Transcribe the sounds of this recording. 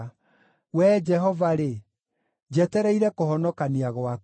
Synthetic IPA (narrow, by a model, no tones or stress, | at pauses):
wɛd͡ʒɛɦɔvaɾe | d͡ʑɛtɛɾɛiɾɛkohɔnɔkaniaɣwa